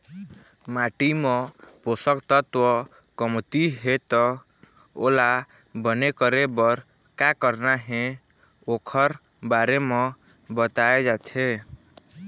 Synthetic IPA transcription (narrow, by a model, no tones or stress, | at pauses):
maʈimɔ̃posəkt̪ɔt̪wɔ | kəmt̪iɦet̪ɔ | o̰la | bənekəɾebɔɾ | kakəɾnaɦẽ | okʰəɾ | baɾeme | bət̪aed͡ʒat̪ʰe